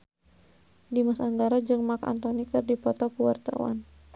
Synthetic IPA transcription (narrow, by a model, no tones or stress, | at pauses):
dimasandaɾad͡ʒɨŋmaka̰nt̪ɔnikɨrdipɔt̪ɔkəwart̪a̰wa̰n